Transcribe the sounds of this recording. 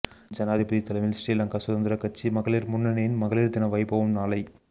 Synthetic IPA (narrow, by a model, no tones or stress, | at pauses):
d͡ʒɐnaːðɪpɐðit̪ɐlɐʋɪlsʈeːlɐŋɡaːsʊðɐnd̪ɪɾɐkɐt͡ʃːimɐɣɐɭiɾmʊnːɐnɐjɪnmɐɣɐɭiɾd̪ɪnɐʋɐɪbɐʋɯmnaːlɐɪ